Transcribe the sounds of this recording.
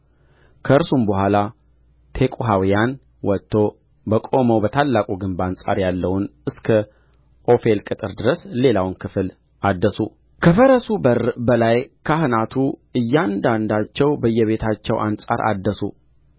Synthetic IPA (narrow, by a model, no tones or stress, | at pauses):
kʰəɨɾsumbəɦʷala | t̪ʰe̞kʼuɦawijan | wɔt̪ʰːo̞ | bəkʼo̞məwbət̪ʰalːakʼuɡɨmbansʼa̰ɾjalːəwʊnɨskʰə | ʔo̞fe̞lkʼɨt̪ʼɨɾd̪ɨɾəsle̞lawnkʰɨfɨl | ʔad̪ːəsu | kʰəfəɾəsubəɾbəlajkʰahɨnat̪ʰuɨjːand̪and̪at͡ʃːɛwbəjːɛβe̞t̪ʰat͡ʃːɛwʔa̰nsʼa̰ɾʔa̰d̪ːəsṵ